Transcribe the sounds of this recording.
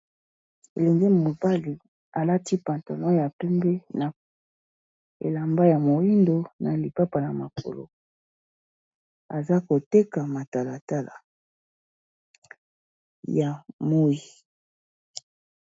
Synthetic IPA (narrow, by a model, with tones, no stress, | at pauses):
ḛ˨lɛ˨ŋɡe˦mo˨ba˦li˨ | a˨la˦ti˦pa˨nto˨nɔ˦ja˨pɛ˦mbɛ˦na˨ | ḛ˨la˨mba˦ja˨mo˨i˦ndo˨na˨li˨pa˦pa˨na˨ma˨ko̰˨lo̰˨ | a˨za˦ko˨te˦ka˨ma˨ta˨la˨ta˦la̰˨ | ja˨mo˦i˨